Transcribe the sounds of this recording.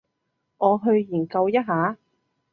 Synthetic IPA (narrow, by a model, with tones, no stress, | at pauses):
ŋɔː˨˧ɦɵ˧ɥjiː˨˩nkɐ˧wjɐ˥t̚ɦaː˨˥